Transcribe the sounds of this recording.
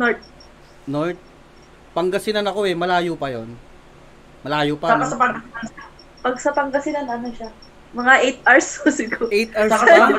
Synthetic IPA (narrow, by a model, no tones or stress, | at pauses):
noɹt̪̚ | noɹt̪̚ | pɐŋɡɐsɪnɐnɐko̞ɛmɐlaːjopɐjon | mɐlaːjopaaasɐpɐŋɡɐsɪnɐna | pɐɡsɐpɐŋɡɐsɪnɐnɐnoʃa | mɐŋaʔejt̪̚ʔɐɹsosɪɡoet̪̚sɐɐa